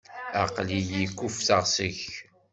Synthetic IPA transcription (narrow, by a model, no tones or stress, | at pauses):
a̰qlijikʷːufθəʁsəç